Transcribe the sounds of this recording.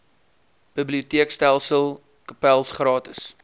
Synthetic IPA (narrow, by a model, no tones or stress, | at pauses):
b̥əbliutiəkstælˠsəlˠ | kəpælˠsχrɑːtəs